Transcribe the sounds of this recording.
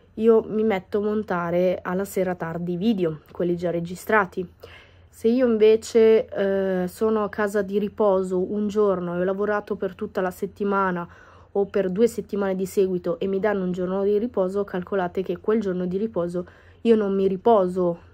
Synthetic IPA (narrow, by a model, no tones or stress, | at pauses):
iːomimet̪ːoamont̪aːɾealːaseːɾat̪ard̪iviːd̪eokwelːid͡ʒarːed͡ʒist̪ɾaːt̪i | seiːoiɱveːt͡ʃe | soːnoakːaːzad̪iɾipɔːzoʔund͡ʒornoɛɔlavoɾaːt̪opert̪ut̪ːalaset̪ːimaːna | opːerd̪uːeset̪ːimaːned̪isɛːɡwit̪oʔemːid̪anːound͡ʒornod̪iripɔːzokʰalkʰolaːt̪ek̟ekːweld͡ʒornod̪iɾipɔːzo | iːonomːiɾipɔːzo